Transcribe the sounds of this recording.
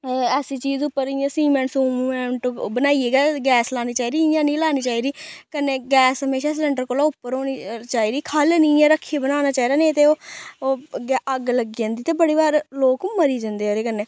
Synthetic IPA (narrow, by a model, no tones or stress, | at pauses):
ɛːsiːt͡ʃiːzʊpːəɾiãːsiːmɛ̃ːɳʈsuːmumẽɳʈbənaːieːɡaːɡɛːslaːniːt͡ʃaːiːɾiːjãːnĩːlaːniːt͡ʃaːiːɾiːkənːeːɡɛːsɦəmeːʃaːs̬lə̃ɳɖəɾkoːlaːʊpːəɾɦoːniːt͡ʃaːiːd̪iːkʰəlnĩːãːɾəkʰːibənaːnaːt͡ʃaːiːɾaːnẽːt̪eːoːoːɡəɡləɡiːãːnd̪iːt̪eːbəɽeːʋaːɾloːkməɾiːd͡ʒãnd̪eːoɾeːkənːeː